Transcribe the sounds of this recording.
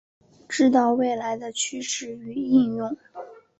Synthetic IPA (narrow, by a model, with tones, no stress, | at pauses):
ʈ͡ʂɻ̩˥˧t̪̬ɑ˥˧ʊwe˥˩ɪla˧˥ɪd̪ə˧t͡ɕʰy˥ʂɻ̩˥˩y˧˥i˥˧njʊ˥˩ŋ